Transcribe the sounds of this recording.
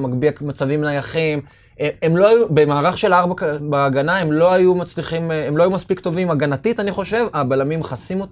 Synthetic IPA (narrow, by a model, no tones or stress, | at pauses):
maɡbiakmat͡savimnajaχim | eemlo̞ajube̞maːʁaχʃe̞laʁbabaːɡanae̞mlo̞ajumat͡sliχimemlo̞ajumaspikt̪o̞vimaɡanatit̪aniχo̞ʃe̞vabalamimχasimo̞t̪a